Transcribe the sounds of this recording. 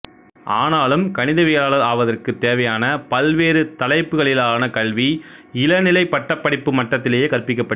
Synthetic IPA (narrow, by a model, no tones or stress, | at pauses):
ʔaːnaːlɯmkɐnɪðɐʋɪjɐlaːɭɐðaːʋɐðɐrkɯt̪ːeːʋɐjaːnɐpɐlʋeːɾɯt̪ɐlɐɪpːɯɣɐɭɪlaːnɐkɐɭʋiɪlɐnɪlɐɪpːɐʈːɐpːɐɽɪpːɯmɐʈːɐt̪ːɪlejeːkɐrpɪk̬ːɐpːɐ